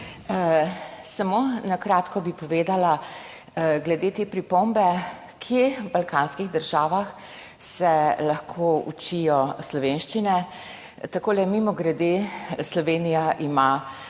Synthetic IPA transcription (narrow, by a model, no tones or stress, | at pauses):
samonakɾaːt̪kɔbipɔʋeːd̪ala | ɡlɛd̪eːt̪eːpɾipombɛ | kʰjebalkaːnskiɣd̪əɾʒaːʋax | sɛlaxkʰoṵt͡ʃijɔslɔʋenʃt͡ʃinɛ | t̪akoːlɛmimɔɡɾɛd̪eslɔʋeːnijaʔima